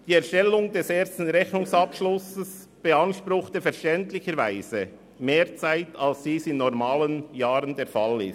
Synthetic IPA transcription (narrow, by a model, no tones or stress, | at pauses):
d̥iːɛɐɾʃtɛlʊŋd̥ɛseːɾstn̩ɾɛçnʊŋsɑpʃlʊsəs | b̥eɑnʃpɾʊχtəfɛɾʃtɛntlɪçəɾvaɪzə | meːɾt͡saɪtʰalsd̥iːsɪnːɔɾmaːlənjaːɾəndeɾfalɪ̰s